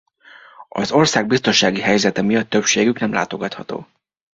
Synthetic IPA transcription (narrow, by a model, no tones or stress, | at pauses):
ɒ̰zo̞rsaːɡ̚bist̪o̞nʃaːɡiɦɛjzɛt̪ɛmijɒt̪ːø̞pʃeːɡyknɛmlʔa̰ːt̪o̞ɡɒt̪hɒ̰t̪o̰ː